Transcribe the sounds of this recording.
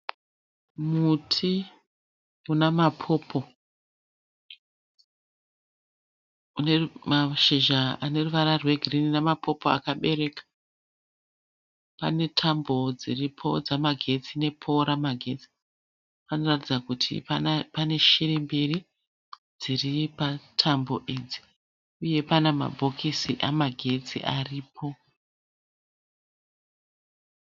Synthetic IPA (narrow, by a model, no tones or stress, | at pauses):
mutʰi | unamapʰo̞pʰo̞ | unemaʃiʒaane̞ruʋaɾarwe̞ɡʱirininamapʰo̞poa̰kaɓe̞ɾe̞kḁ | pane̞tʰambo̞d͡ziripʰo̞̰d͡zamaɡʱe̞t͡sine̞pʰo̞ɾamaɡʱe̞t͡si̥ | pano̞ratid͡zakutʰḭpane̞ʃiɾimbiri | d͡ziripatʰambo̞ʔed͡zi̥ | uje̞panema̰bʱo̞kʰisiʔamaɡʱe̞t͡sḭʔariːpʰo̞